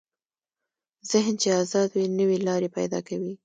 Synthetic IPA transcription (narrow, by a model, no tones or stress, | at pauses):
z̥ɪɦnt͡ʃeazɑd̪winəwelɑɾepa̰jd̪ɑ̰kawi